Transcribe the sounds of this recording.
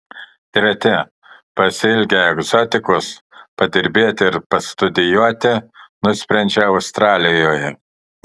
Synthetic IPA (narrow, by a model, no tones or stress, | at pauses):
t̪ʲɾʲɛt̪ʲɪ | pɐsʲɪlʲɡʲɛɛɡzɔt̪ʲɪkʊspɐd̪ʲɪɾʲbʲeːt̪ʲɪɪɾpɐst̪ʊd̪ʲɪjuɔt̪ʲɪnʊsʲpʲɾʲɛnʲd͡ʒʲɛɐʊst̪ɾɑːlʲɪjoːjɛ